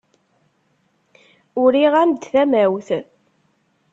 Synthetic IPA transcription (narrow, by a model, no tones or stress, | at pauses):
ʊɾiʁæmd̪θæmæwθ